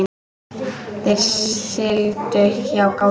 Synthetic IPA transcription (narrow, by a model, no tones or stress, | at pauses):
θejɾ̥sɪlt̪ʏçawka